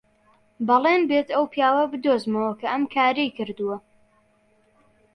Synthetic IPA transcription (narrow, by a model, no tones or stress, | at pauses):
bɨlˠenbeːt̪ɐwpʰjaːwɐbɨd̪ozmɐwɐkʰɐʔɐmkʰaːɾejkɨɾd̪uwɐ